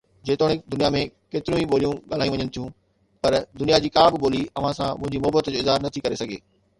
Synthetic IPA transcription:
d͡ʑeːt̪oːɽ̃ɪd̪ʊnijamẽkeːt̪ɪɾjũĩɓoːlijũɠaːl̤aːjũʋɐɲənɪ̆t̪ʰijũ | pɐɾd̪ʊnijad͡ʑiːkaːbɪɓoːliɐʋ̤ãsãmʊ̃ɦɪ̃ɲd͡ʑimʊɦbət̪d͡ʑoɪzɦaːɾnɐt̪ʰikɐɾesɐɡʱḛː

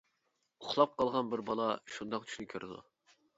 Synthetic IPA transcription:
oχlˠɑp̚qʰɑlˠʁɑnbɪɾbɑlˠɑʃund̪ɑqt͡ʃʰy̥ʃnɪkʲʰøɾɪd̪ṵ

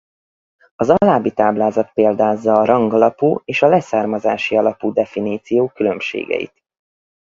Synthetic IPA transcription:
ɒzɒlaːbit̪aːblaːzɒt̪̚peːld̪aːzːɒːɾɒŋɡɒlɒpuːeːʃɒlɛsaːrmɒzaːʃiɒlɒpuːd̪ɛfiniːt̪sijoːkylø̞mʃḛːɡɛ̰jḭt̪

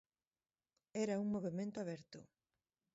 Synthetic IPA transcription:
ɛɾɐuŋmoβemẽnt̪oaβɛɾt̪ʊ̰

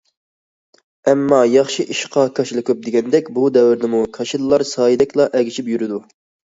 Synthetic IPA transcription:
ɛmːɑːjɑχʃiʔiʃqʰɑkʰɑʃlˠɨkʰʲup̚d̪ɪɡʲɛnd̪ɛkʲbud̪ɛwɪɾd̪ɪmukʰɑʃid̪ɨlˠɑɾsɑːjid̪ɛkʲlˠɑʔɛɡʲiʃipjyɾɪd̪u

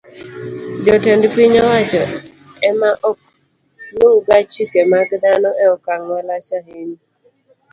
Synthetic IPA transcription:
d͡ʒɔtendpiɲɔwat͡ʃɔ | ɛmaʔɔ | noɡat͡ʃikemaɡd̪anɔʔɛɔkaŋwalasaɦeni

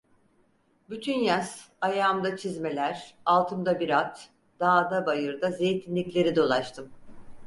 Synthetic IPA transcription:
byt̪ʰynjas | ajaːmd̪at͡ʃʰizme̞lʲæɾ̥alˠt̪ʰɯmd̪abiɾat̪ | d̪̥aːd̪abajɯɾd̪aze̞jt̪ʰinlʲicʲlʲe̞ɾid̪o̞lˠat͡ʃt̪ʰɯm

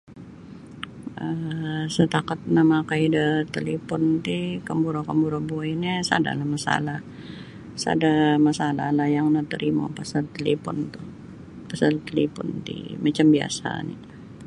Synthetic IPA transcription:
əsət̪akat̪̚namakaidət̪əlipɔnt̪ikambuɾokambuɾobuinasa̰da̰lahmasa̰lah | sa̰damasalahlahjaŋnət̪əɾʔima̰pasart̪elepɔnt̪uh | pasalt̪əlipɔ̰nt̪ḭmat͡ʃambia̰sa̰nḭ

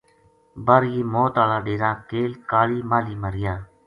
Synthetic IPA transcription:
bəɾjiːmoːt̪aːlaːɗeːɾãːkeːlkaːliːmaːliːməɾɪjaː

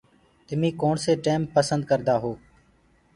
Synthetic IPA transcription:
t̪ɪmĩːkoːɳseːʈeːmpəsə̃nd̪̚kəɾd̪aːɦoː

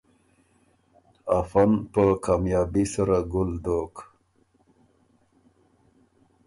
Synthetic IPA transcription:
afanpəkaːmjɑːbisaɾaɡʊld̪oːk

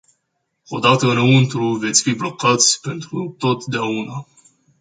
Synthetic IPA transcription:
o̞d̪at̪əɨnunt̪ɾuve̞t̪sʲfiblo̞kat̪sʲpe̞nt̪ɾut̪o̞t̪d̪eauna

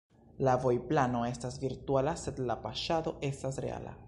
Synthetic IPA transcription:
lavo̞jplano̞e̞stasviɾtualase̞d̪lapaʃado̞ʔe̞stasɾe̞̰a̰la̰

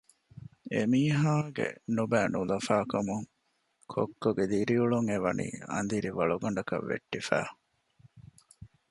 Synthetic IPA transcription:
emiːɦaːɡḛnubæːnulɐfaːkɐmuŋ | kʰokːoɡed̪iɾiuɭuŋeʋɐnḭːɐ̰nd̪iɾiʋɐɭuɡɐɳɖɐkɐ̰ʋːḛʈːifæ̰ː

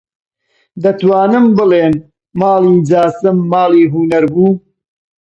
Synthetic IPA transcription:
d̪ɐt̪waːnɨmbɨleːn | maːlˠiːd͡ʒaːsɨmːaːliːɦunɐɾbuː

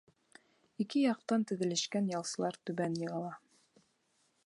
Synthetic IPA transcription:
ikɘjɑq̚t̪ɑnt̪ɵ̆ðɘ̆lɘ̆ʃkænjɑlˠsɤ̆lˠɑɾt̪ʉβænjɤ̆ʁɑlˠɑ

